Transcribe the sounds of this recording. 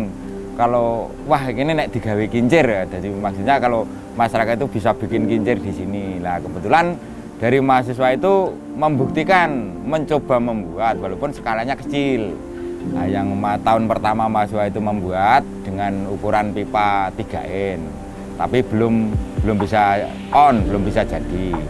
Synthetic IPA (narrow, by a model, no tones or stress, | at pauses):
kalo | waɦkininɛʔd̪̥i̤ɡ̥a̤wekiɲt͡ʃɪrd̥̪a̤d̪imaksuɲakalo | masaɾakait̪ub̥i̤sab̥i̤kɪnkiɲt͡ʃɪrd̪̥isinilahkəbət̪ulan | d̥a̤ɾimaɦas̬is̬wait̪u | məmbuk̚t̪ikanməɲt͡ʃob̥a̤məmbuat̪̚walopʊnsə̥kalaɲakət͡ʃil | a̰jaŋmat̪aʊnpərt̪amamaasiswait̪uməmbuat̪̚d̪̥əŋanukuɾanpipat̪iɡ̥a̤̰ʔɪn | t̪a̰pib̥ə̤lʊmb̥ə̤lʊmbisa | ɔnb̥əlʊmbisḁd͡ʒ̥a̤d̥i